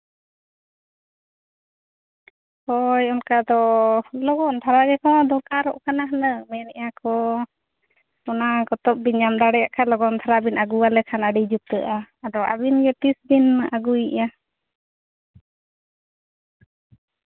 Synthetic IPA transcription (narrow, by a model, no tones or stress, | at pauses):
hɔjɔnkad̪ɔlɔɡɔnt̪ʰaɾaɡɛkɔd̪ɔkaɾɔʔkanaɦnəmɛnɛʔakɔ | ɔnakɔt̪ɔp̚biɲamd̪aɽɛjaʔkʰalɔɡɔnt̪ʰaɾabinaɡuwalɛkʰanaɖid͡ʒup̚t̪əʔaːdɔʔa̰binɡɛtisbinʔaɡuiʔa